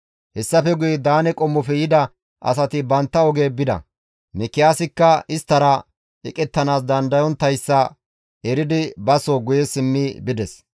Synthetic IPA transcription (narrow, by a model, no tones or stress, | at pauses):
hɛsːɐfɛɡʊjɛd̪aːnɛkʼɔmːɔfɛjɪd̪ɐ | ʔɐ̰sɐt̪ɪbɐnt̪ːɐɔɡeːbɪd̪ɐ̰ | mɪkːɪjaːsɪkːɐɪst̪ːɐɾɐ | ɛkʼɛt̪ːɐnaːs̬d̪ɐnd̪ɐjɔnt̪ːɐjsːɐ | ɛɾɪd̪ɪbɐsoːɡʊjɛsɪmːibɪd̪ɛs